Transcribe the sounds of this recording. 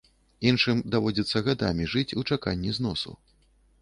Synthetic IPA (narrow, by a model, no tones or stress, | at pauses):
inʂɨmd̪avɔd͡zʲɛt̪sːɐɣad̪a̰mʲiʐɨt͡sʲut͡ʂakanʲːiznɔsṵ